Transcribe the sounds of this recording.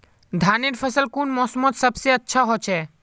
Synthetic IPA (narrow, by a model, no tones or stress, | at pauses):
d̪ʱaːnɪʈpʰəsəlkuːnmɔːsəmot̪səbseətːʃʰaɦot͡ʃʰeː